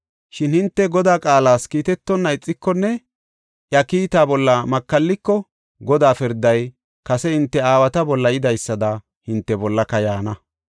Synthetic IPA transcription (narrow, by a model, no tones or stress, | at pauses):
ʃɪnhɪnt̪ːɛɡɔd̪aːkʼaːlaːskiːt̪ɛt̪ːɔnːɐɪt͡sʼːɪkːɔnːɛ | ʔjɐkiːt̪aːbɔlːɐmɐkːɐlːɪkːɔ | ɡɔd̪aːfɪɾd̪ɐj | kɐsɛhɪnt̪ːɛaːwɐt̪ɐbɔlːɐjɪd̪ɐjsːɐd̪ɐ | hɪnt̪ːɛbɔlːɐkɐjaːnɐ